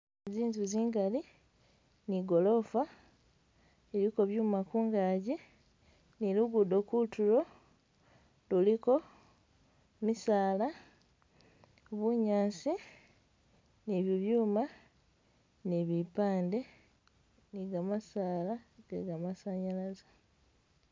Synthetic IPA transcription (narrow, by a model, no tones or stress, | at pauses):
ziːnzuziːŋɡali | niɡo̞lo̞fa | eliko̞βjuːmakuːŋɡaɟe | niluɡudo̞kutulo̞ | luliko̞ | misaːla | βuɲaːsi | niβiβjuːma | niβipaːnde̞ | niɡamasaːlaɡ̥ḛɡamasaɲalazḁ